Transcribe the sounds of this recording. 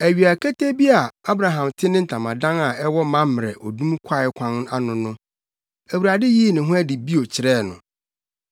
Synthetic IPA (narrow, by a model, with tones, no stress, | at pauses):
æ˨ɥi˨a˨kʰæ˦tʰe˦bi˦a˨a˦bɾa˨ɦã˨mtʰɪ˦nɪ̃˦n̩˨tʰã˨mã˨dã˦na˨ɛ˦wɔ˦mã˦mm˨ɾɛ˨ʔɔ˨dũ˦m˦kʷʰa˦ɪ˨˦kʷʰã˦n˦a˦nʊ̃˨nʊ̃˦ | æ˨wu˨ɾa˨dɪ˦ji˦nɪ̃˨ɦʊ̃˦æ˦di˨bi˦o˨t͡ɕʰɪ˨ɾɛ˦˨nʊ̰̃˨